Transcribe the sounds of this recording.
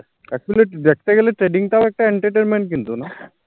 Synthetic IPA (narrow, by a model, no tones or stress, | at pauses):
ɛk̚t͡ɕuleʋjək̚ʰt̪eɡeleʈɾeɖiŋɡt̪aʋek̚ʈaeɳʈɾeʈenmeɳʈ̚kint̪ona